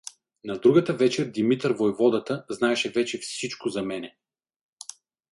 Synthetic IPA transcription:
nɐd̪ɾuɡət̪əvɛt͡ʃɛɾd̪imit̪ɾvojvɔd̪ɐt̪əznaɛʃɛvɛt͡ʃɛfsit͡ʃkʊzɐmɛnɛ

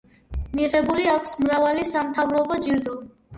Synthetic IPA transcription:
miʁɛbuliakʰsmɾavalisamt̪ʰavɾɔbɔd͡ʒild̪ɔ

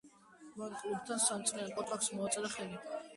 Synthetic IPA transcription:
vaɾkʼlub̚t̪ʰansamt̪sʼnɛɾɛkʼɔt̪ʰwaksmɔat̪sʼɛd̪aχɛli

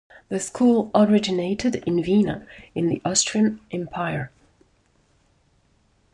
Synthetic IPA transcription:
ðɨskʰulˠəɹɪd͡ʒɪneɪɾɪdɪ̃nvinə̰ɪ̃nðḭʔɔstɹ̥iə̃nʔɛ̃mpʰaɪə˞

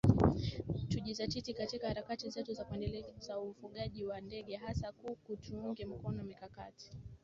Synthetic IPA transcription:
tuʄizatitikatikahaɾakatizɛtuzakuɛndɛlɛzaufuɠaʄiwandɛɠɛɦasakukutʰuuŋɡɛm̩kɔnɔmikaka̰ti̥

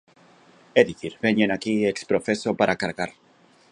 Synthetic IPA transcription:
eðiθiɾβeɲenakiekspɾofesopaɾakaɾɣaɾ

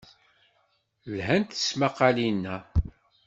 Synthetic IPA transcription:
lɦænt̪ə̥smaqːɑlinːæ

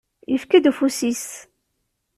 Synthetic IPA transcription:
jəfkæd̪ufusis

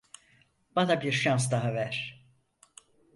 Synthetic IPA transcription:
b̥anabiɾʃans̬d̪aɦavæɾ̥

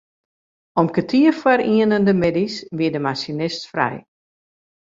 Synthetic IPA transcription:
ɔmkətʰiəfwaɾiənəndəmɪdisʋiədəmasinɪstfrɛ̰j

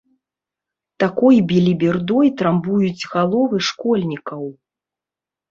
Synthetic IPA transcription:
t̪akɔjbʲilʲibʲird̪ɔjt̪ɾambujud͡zʲɣalˠɔvɨʂkɔlʲnʲikɐw

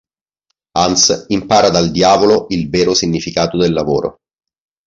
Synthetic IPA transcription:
ansimpaːɾad̪ald̪jaːvoloʔilvɛːɾosiɲːifikaːt̪od̪elːavoːɾo̰

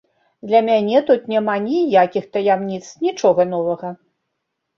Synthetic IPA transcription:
d̪lʲɐmʲanʲɛt̪ut̪nʲamanʲijakʲixt̪ɐjamnʲit̪snʲit͡ʂɔɣɐnɔvɐɣɐ

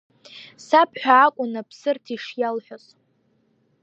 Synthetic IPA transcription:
sapʰħʷᶣaːkʷʼʊnapʰsɨrtʰiʂjalħʷᶣʊs

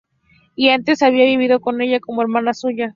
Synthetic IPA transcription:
iant̪e̞saβ̞iaβiβ̞iðo̞ko̞ne̞ʝako̞moeɾmanasuʝa

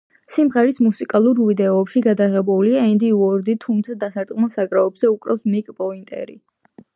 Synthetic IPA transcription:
simʁɛɾismusikʼalˠuɾvid̪ɛɔɛpʃiɡad̪aʁɛbuliaɛnd̪iwɔɾd̪it̪ʰumt̪sʰad̪asaɾt̪ʼqʼmɛsaɡɾaɔbz̥ɛukʼɾa̰fsmikʼpʼɔint̪ʼɛ̰ɾḭ

